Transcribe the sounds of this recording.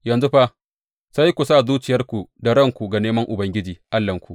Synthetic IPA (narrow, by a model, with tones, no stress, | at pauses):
jɐ˨nzu˦ɸa˦ | sa˦jkʷu˨saː˦˨zuː˦t͡ʃɪ˨jɐ˦rkʷu˨da˨ɾɐ˦˨ŋkʷu˨ɡa˨neː˦mɐ˦ŋʔʊ˨bɐ˦ŋɡʲɪ˦d͡ʒiː˨ʔa˦lːɐ˨ŋkʷu˨ʔ